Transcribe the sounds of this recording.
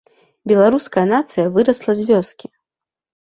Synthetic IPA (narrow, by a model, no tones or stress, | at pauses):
bʲɛlˠaɾuskɐjɐnat̪sɨjɐvɨɾɐslˠɐzʲvʲɔskʲi